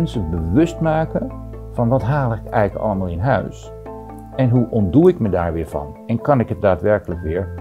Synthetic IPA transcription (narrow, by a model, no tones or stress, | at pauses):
nsəbəʋɵstmaːkə | fɑnʋɑtɦaːlˠəɪkɛ̰jɣləkɑ̰lˠəmaːlˠɪnɦœ̰ɥs | ɛnɦuʔɔntduːɪkmədaːɹʋɪːɹvɑ̰n | ɛnkɑnɪkɦət̚daːtʋɛɹkələkʋɪːɹ